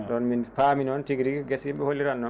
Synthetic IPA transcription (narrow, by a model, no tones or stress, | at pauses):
dɔnminpaminɔntiɡɾikɡesimbɛholːiɾanːɔn